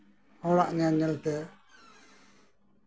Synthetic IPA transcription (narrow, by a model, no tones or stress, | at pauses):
ɔɽaʔɲaɲɛlt̪ɛ